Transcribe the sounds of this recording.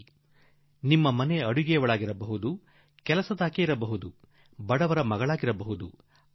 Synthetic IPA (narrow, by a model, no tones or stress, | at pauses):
nimːɐmɐne̞ɐɽuɡɛjɐʋɐɭaːɡiɾɐbɐɦud̪u | kɛlɐsɐd̪aːkeiɾɐbɐɦud̪u | bɐɽɐʋɐɾɐmɐɡɐɭaːɡiɾɐbɐɦud̪u